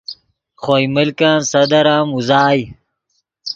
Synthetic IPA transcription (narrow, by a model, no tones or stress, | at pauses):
χojmilkaːnsɐd̪ɐɾaːmuzaːj